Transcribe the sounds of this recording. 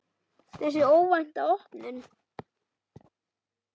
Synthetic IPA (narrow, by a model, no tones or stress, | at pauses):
θɛsɛoːwvajn̥t̪aɔhpnɪn